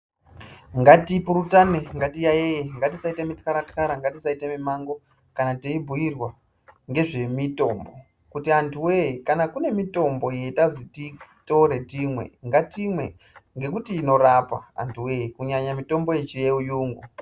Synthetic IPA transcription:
ŋɡatipuɾutaneŋɡatijajejeŋɡatisaitemitkaɾatkaɾaŋɡatisaitemimaŋɡo̞ | kanateibʱujirwa | ŋɡe̞ʐe̞mito̞mbo̞ | kutiantʰuwejikanakune̞mito̞mbo̞je̞tazitito̞ɾe̞timwe̞̰ŋɡatimwe̞̰ | ŋɡe̞kutiːno̞ɾapa̰a̰ntʰuwejikuɲaɲamito̞mbo̞et͡ʃijeujuːŋɡu

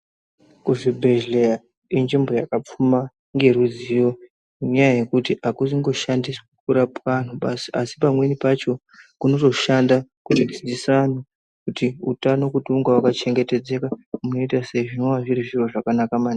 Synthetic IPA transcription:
kuʐibʱe̞ʒlea | ind͡ʒimbo̞jakap͡fuma | ŋɡe̞ɾud͡zijo̞ | iɲajaje̞kutiakus̬iŋɡo̞ʃandiswukuɾapan̤uɓasiasi̥pamwe̞nipat͡ʃo̞ | kuno̞to̞ʃandakutizid͡zisano | kutiutano̞kutuŋɡawakat͡ʃe̞ŋɡe̞te̞d͡ze̞kamuno̞itaseiʐinoʋaʐiɾiʐiro̞ʐakanakamaːni

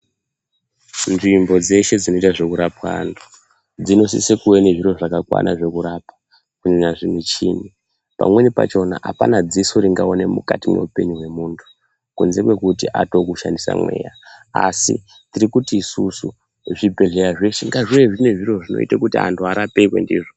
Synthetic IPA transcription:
nʐimbo̞d͡ze̞ʃe̞d͡zino̞itaʐe̞kuɾapwaantʰu̥ | d͡zino̞sisekuweneʐiro̞ʐakakwa̰naʐe̞kuɾapḁ | kuɲeɲaʐinit͡ʃini | pa̰mwe̞nipa̰t͡ʃo̞na̰ʔa̰panad͡zisoɾiŋɡaone̞mṵkatimwe̞̰upe̞ɲuɦwe̞muːntʰu̥ | kunze̞kwe̞kutiʔato̞kuʃandisa̰mwe̞̰jaasḭ | tiɾikutiːsusu | ʐibʱe̞ɮeɾaʐe̞ʃeŋɡaʐieʐine̞ʐiro̞ʐino̞̰ḭtakutia̰ntʰuaɾapekwḛndḭːʐo

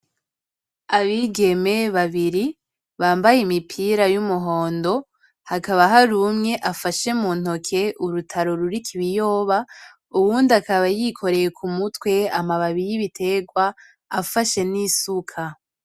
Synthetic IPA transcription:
aβiɡe̞me̞βaβiɾi | βaːmbajimipʰiɾajumuɦo̞ːndo̞ | hakaβaɦaɾumŋe̞ʔafaʃe̞muːn̥o̞kʰe̞uɾutʰaɾo̞ɾuɾikʰiβijo̞ːβa | uβuːndiakaβajikʰo̞ɾe̞jekʰumutwe̞amaβaβiɾiβitʰe̞ɡwaː | faʃe̞nisukʰa

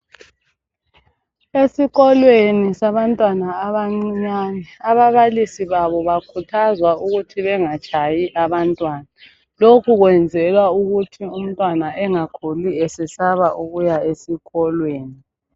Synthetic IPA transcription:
esiɣɔlwenisaβantʼwanaːβaŋ͡ǀiɲaːnɛaβaβalisiβaβɔβakʰutʰazwauɣutʰiβɛŋat͡ʃʼajiʔaβantʼwaːna | lokʰuɣwɛnd͡zʱɛlwauɣutʰium̩tʼwanaʔɛŋakʰuliesɛsaβaʔuɣujaesiɣɔlweːni

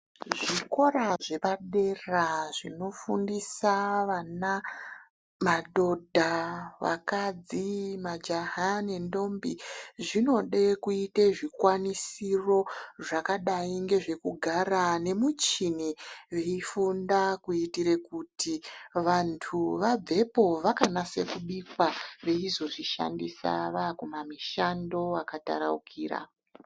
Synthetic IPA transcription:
ʐiko̞ɾaʐe̞paɗe̞raʐino̞fundisaʋana | maɗo̞dʱaʋa̰kad͡zimad͡ʒaɦane̞ndo̞mbiʐino̞ɗekuiteʐikwanisiro̞ʐakaɗaiŋɡe̞ʐe̞kuɡʱaɾane̞mut͡ʃiniʋeifundakuitiɾe̞kutiʋantʰuʋab͡vʱe̞po̞ʋakanase̞kuɓikwaʋe̞izo̞ʐiʃa̰ndisa̰ʋakumamiʃando̞akata̰ɾa̰ukʰiːɾa̰

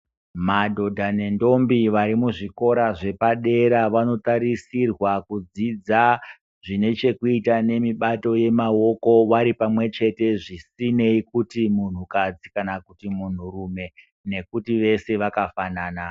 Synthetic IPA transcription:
madʱo̞dʱane̞ndo̞mbiʋaɾimuʐiko̞ɾaʐe̞paɗe̞ɾaʋano̞taɾisirwakud͡zid͡za | ʐine̞t͡ʃe̞kuitane̞miɓato̞je̞mao̞ko̞ʋaɾipamwe̞t͡ʃe̞te̞ʐisine̞ikutimun̤ukad͡zikanakutimun̤urume̞ | ne̞kutiʋe̞se̞ʋakafanaːna

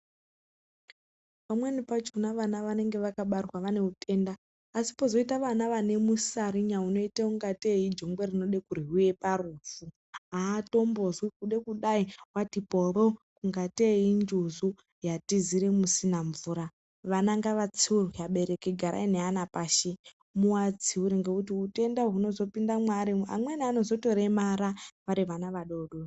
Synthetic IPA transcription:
pamwenipat͡ʃunaʋanaʋane̞ŋɡe̞ʋakaɓarwaʋane̞utʰe̞ndaː | si̥pozo̞itaʋanaʋane̞musaɾiɲauno̞iteuŋɡateid͡ʒo̞ŋɡwe̞rino̞ɗe̞kuriɦuje̞paruːfu | aːto̞mbo̞zwikuɗe̞kuɗaiwatiporokuŋɡateɦind͡ʒuzu | jatiziɾemusinaɱvuɾa | ʋanaŋɡaʋat͡siurwiaɓe̞ɾe̞keɡʱaɾa̰ineanapaːʃe | muwad͡ziuɾeŋɡekutiute̞ndaɦuno̞zo̞pindamwaɾia̰mwenano̞zo̞to̞ɾemaɾaʋaɾiʋanaʋaɗo̞ɗo

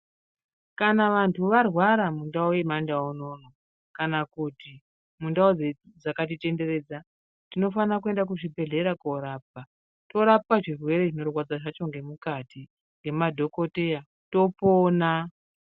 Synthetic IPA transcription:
kanaʋantʰuʋarwaɾamundaojemandaono̞no | kanakuti | mundaod͡ze | d͡zakat̬ite̞nde̞re̞ːd͡za | tino̞fanak̬ue̞ndak̬uʐibʱe̞ɮe̞ɾako̞ɾaːp̚a | to̞ɾap̚aʐirwe̞ɾe̞ʐino̞rwad͡zaʐat͡ʃo̞ŋɡe̞mukati | ŋɡe̞madʱo̞ko̞teja | to̞poːna

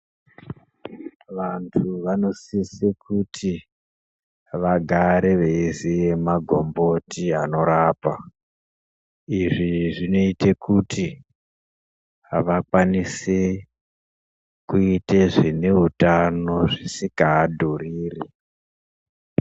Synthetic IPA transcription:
ʋantʰuʋano̞sisekutʰi | ʋaɡʱaɾe̞ʋeizijemaɡʱombo̞tiɦano̞ɾaːpa | iʐiʐino̞ite̞kutʰi | aʋakwanise | kuiteʐine̞utano̞ʐisikaːdʱuriːri

